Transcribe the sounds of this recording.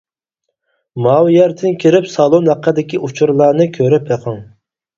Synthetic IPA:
mɑwjɛɾt̪ʰɪnkʲʰiɾɪpsɑlˠonhæqʰːəd̪ɪkʲiʔut͡ʃʰuɾlˠɑɾnɨkʲʰøɾɪpeqʰəŋ

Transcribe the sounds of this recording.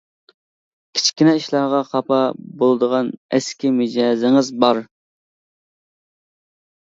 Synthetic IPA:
kʲʰi̥t͡ʃʰkʲinɛiʃlˠɑɾʁɑqʰɑpʰɑbolˠɨd̪əʁɑnɛskʲimed͡ʒɑzɪŋɨzbɑɾ

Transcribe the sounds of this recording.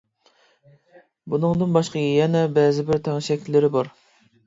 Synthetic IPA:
bunɨŋd̪ɨnbɑʃqɑjɛnɛbɛzɪbɪɾt̪ʰæŋʃɛkʲʰlːɪɾɪbɑɾ

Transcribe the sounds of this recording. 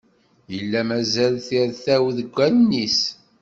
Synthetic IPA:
jəlːæmæzælθiɾθæwðəɡʷːælnis

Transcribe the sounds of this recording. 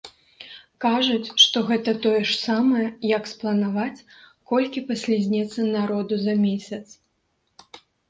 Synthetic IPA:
kaʐut͡sʲʂt̪ɔɣɛt̪ɐt̪ɔjɛʂsamɐjɐjɐksplˠɐnavat͡sʲ | kɔlʲkʲipasʲlʲizʲnʲɛt̪sːɐnaɾɔd̪uzɐmʲesʲɐt̪s

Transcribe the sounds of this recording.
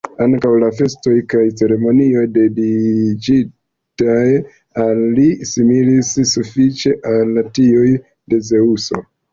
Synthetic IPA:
aŋkawlafe̞sto̞jkajt͡se̞ɾe̞mo̞nio̞jde̞did͡ʒi | taj | alːisimilisːufit͡ʃe̞ʔalatioj | de̞ze̞uso̞̰

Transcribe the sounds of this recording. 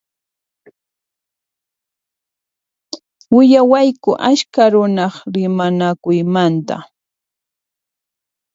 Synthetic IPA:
wɪjawajkʊʔaskaɾʊnɑχɾɪmanakʊjmant̪a̰

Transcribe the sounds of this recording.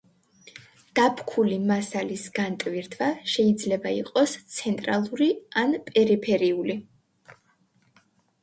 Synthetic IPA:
ɡ̥apʰkʰulimasalisɡ̥ant̪ʼviɾt̪ʰvaʃɛid̪zlɛbaḭqʼɔst̪sʰɛnt̪ʼɾalˠuɾianpʼɛɾipʰɛɾiuli

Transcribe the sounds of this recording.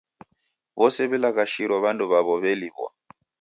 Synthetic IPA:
βɔsɛβɛlakaʃiɾwɔβanduβaβɔβɛliβwɔ̰

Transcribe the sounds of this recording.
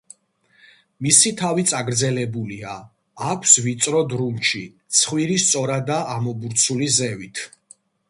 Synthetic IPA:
misit̪ʰavit̪sʼaɡɾd̪zɛlɛbuliaː | kʷʰsvit̪sʼɾɔd̪ɾumʃit̪sʰχwiɾist̪sʼɔɾad̪aamɔbuɾt̪sʰulizɛvit̪ʰ

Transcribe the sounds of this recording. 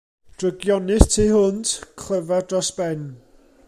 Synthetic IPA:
d̥rəɡjɔnɪtʰiːhʊnd̥kʰlˠəvadrɔsb̥ɛn

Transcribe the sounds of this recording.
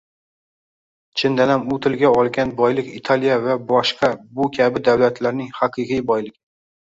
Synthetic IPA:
t͡ʃʰɪnd̪anamʊt̪ʰɪlɡʲaɒlˠɡʲanbɒjlɪkit̪ʰalijavabɒʃqʰɑbʊkʲʰabɪd̪awlat̪ʰlaɾnɪŋhɑqʰɨqʰɨjbɒjlɪk

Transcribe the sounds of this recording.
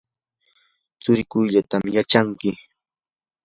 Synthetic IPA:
t͡sʊɾɪkʊjʎat̪amjat͡ʃaŋkɪ

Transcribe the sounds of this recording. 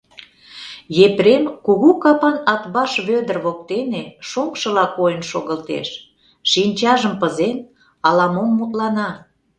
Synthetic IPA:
jepɾemkuɣukɑpɑnɑt̪βɑʃβød̪ərβok̚t̪eneʃoŋkʃə̆lɑkojənʃoɣəlt̪ḛʃ | ʃinʲt͡ɕɑʒəmpəzen | ɑlɑmomːut̪lɑnɑ

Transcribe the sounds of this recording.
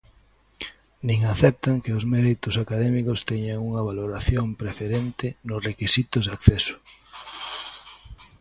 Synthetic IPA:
nĩŋaθɛp̚t̪aŋkeʊzmɛɾit̪ʊsakaðɛmikʊst̪ɛɲaŋuŋɐβaloɾaθjompɾefeɾent̪ɪnʊsrekisit̪ʊzðakθɛsʊ̥

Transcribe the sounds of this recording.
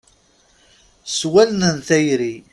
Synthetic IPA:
swælnənθæjɾi

